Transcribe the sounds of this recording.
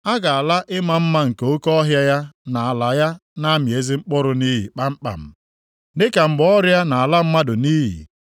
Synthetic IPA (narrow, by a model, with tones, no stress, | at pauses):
a˦ɡa˨a˨la˦ʔɪ˦ma˦m̩˦ma˦ŋ̩˨ko˦kɔ˦ɦja˦ja˦na˨a˨la˨ja˦na˦mje˨˦zi˦ŋ͡m̩˦k͡pɔ˦ɾʊ˨niː˦ɦḭ˨k͡pa˦ŋ͡m̩˦k͡pa̰˨m̩˨ | nɪ˦ka˨m̩˨bɔ˦ɾja˦na˨a˨la˦m̩˦ma˦dʊ˨niː˦ɦḭ˨